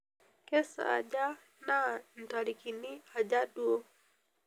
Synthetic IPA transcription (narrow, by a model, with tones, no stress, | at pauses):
kɛsa̰a̰ʄa˦ | na˦n̩˨taɾikini˦a˨ʄa˦ɗu˦ɔ˦